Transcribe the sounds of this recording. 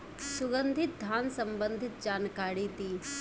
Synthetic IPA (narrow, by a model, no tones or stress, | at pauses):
sʊɡənd̪ʱɪt̪̚d̪ʱjaːnsɐ̃mbənd̪ʱɪt̪̚d͡ʒaːnkaːɽiːt̪iː